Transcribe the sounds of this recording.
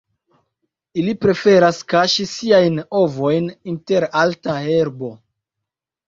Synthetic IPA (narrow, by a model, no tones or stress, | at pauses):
ilipɾe̞fe̞ɾaskaʃisiajno̞vo̞jninte̞ɾaltaheɾbo̞